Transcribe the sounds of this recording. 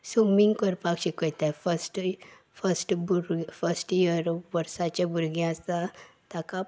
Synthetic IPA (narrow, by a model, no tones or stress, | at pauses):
sumiŋɡkəɾpakɕikəjt̪afəsʈ | fəsʈbuɾɡfəsʈjəɾʋəɾsat͡ɕãbuɾɡjãsãt̪aka